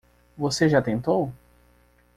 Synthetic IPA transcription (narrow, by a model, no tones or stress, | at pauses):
voseʒat̪ẽnt̪ow